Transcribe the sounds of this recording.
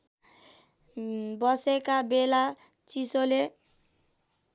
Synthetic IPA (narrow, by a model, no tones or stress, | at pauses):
bʌsekabela | t͡sisole